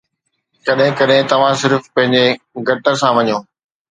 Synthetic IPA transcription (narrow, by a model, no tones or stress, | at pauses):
kɐɗɦɪ̃kɐɗɦɪ̃t̪ɐʋ̤ãsɪɾfpɐ̃ɦɪ̃ɲd͡ʑe | ɡʱɐʈəɾsãʋɐɲoː